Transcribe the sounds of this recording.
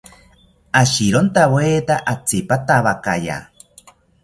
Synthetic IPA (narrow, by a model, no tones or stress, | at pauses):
aɕiɾont̪aβweːt̪aʔat͡sipat̪aβakaja̰